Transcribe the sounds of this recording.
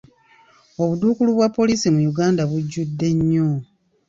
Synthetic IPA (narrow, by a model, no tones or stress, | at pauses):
o̞βuduːkuluβwapːo̞liːsimujuɡaːndaβuɟːudːe̞ɲːo